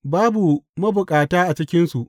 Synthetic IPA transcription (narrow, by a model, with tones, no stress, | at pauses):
baː˦bu˨mɐ˦bʊ˨kʼaː˨taː˦ʔa˨t͡ʃɪ˦kʲɪ˦nsu˨ʔ